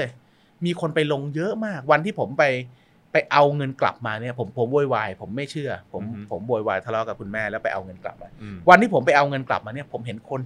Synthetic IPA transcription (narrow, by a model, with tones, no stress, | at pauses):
miː˧kʰo˧npa˧jlo˧ŋjɤ˦˥ʔmaː˥˩k̚wa˧nt̪ʰiː˥˩pʰo˩˦mpa˧j | pa˧jʔa˧wŋɤ˧nkla̰˨˩p̚maː˧ni˥˩ɐpʰo˩˦mpʰo˩˦mwoː˧jwaː˧jpʰo˩˦mːa˥˩jt͡ɕʰɯ˥˩ɐpʰo˩˦mpʰo˩˦mwoː˧jwaː˧jt̪ʰa˧lɔ˦˥ka˨˩p̚ku˧nmɛː˥˩lɛ˦˥wpa˧jʔa̰˧wŋɤ˧nkla̰˨˩p̚maː˧wa˧nt̪ʰiː˥˩pʰo˩˦mpa˧jʔa˧wŋɤ˧nkla̰˨˩p̚maː˧ni˥˩ɐpʰo˩˦mɦe˨˩˦nkʰo˧n